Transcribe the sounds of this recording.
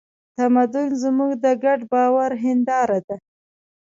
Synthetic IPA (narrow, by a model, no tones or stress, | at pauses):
t̪amad̪ʊnzmuɡd̪əɡaɖbɑwaɾɦɪnd̪ɑɾad̪a